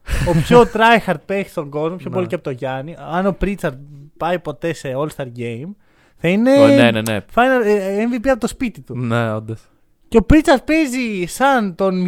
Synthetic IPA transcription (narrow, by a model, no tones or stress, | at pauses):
opçot̪ɾɐexɐɾd̪̚pesi̥st̪o̞ŋɡo̞zmopçooliceɐpot̪oʝɐniɐno̞pɾit͡sɐɾd̪pɐjpo̞t̪e̞se̞olst̪ɐɾɟe̞jm | θɐine̞nenḛfɐnɐleɱvipiɐpot̪o̞spit̪it̪uneond̪ɐs | ceopɾit͡sɐɾt̪̚pe̞zisɐnt̪o̞n